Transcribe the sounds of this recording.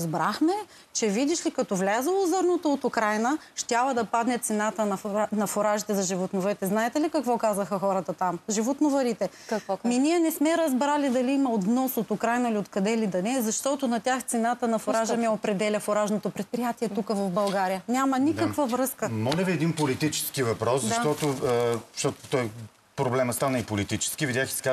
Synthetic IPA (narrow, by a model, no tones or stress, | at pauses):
zbɾaxmɛ | t͡ʃɛvid̪iʃlikɐt̪ɔvlʲazəlˠozɤɾnot̪oot̪ʊkɾajnə | ʃt̪ʲjavɐd̪ɐpad̪nɛt̪sɛnat̪ənɐnɐfoɾaʒit̪ɛzɐʒivot̪novɐɾit̪ɛznaɛt̪ɛlikɐkvɔkazɐxɐxɔɾət̪ɐt̪amʒivot̪novɐɾit̪ɛkɐminiɛnɛsmɛɾɐzbɾalid̪ɐliimɐot̪vnɔsot̪ʊkɾajnɐiliot̪kɐd̪ɛlid̪ɐnɛzɐʃt̪ɔt̪ʊnɐt̪ʲjaxt̪sɛnat̪ənɐfoɾaʒəmɛopɾɛd̪ɛlʲɐfoɾaʒnot̪opɾɛt̪̚pɾijat̪iɛt̪ukəvɐfbɐlˠɡaɾijənʲamɐnikəkvəvɾɤskəmɔlʲɐviɛd̪inpolit̪it͡ʃɛ̥skivɐpɾɔszʃat̪ɔt̪ʊʃt̪ɔt̪ʊ̥t̪ɔj | pɾoblɛməst̪anəipolit̪it͡ʃɛ̥skʲivid̪ʲjaxi̥ska